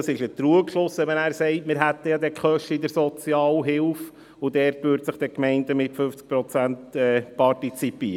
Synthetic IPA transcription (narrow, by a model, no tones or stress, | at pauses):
ɑsɪʃət̪ɾuəkʃlʊsɛmɛnæːɾsɛɪtmɪɾɦæt̪ːəjɑd̪ɛkχœʃtəidəɾsɔt͡sjɑːlɦɪlf | ʊdɛːɾtʋʏɾtsəχd̥ɛkmɛɪndəmɪtfʏft͡sk̚pɾɔt͡sæntɛːpʰɑrtit͡sipiəɾə